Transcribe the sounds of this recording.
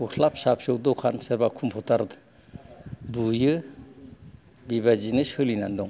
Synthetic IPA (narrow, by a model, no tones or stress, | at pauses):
ɔhʰlap̚sapsɯwdɔwkʰansɯɾbakʰumpʰɔtaɾd | bujɯ | bibazinɯshɯlinandɔŋ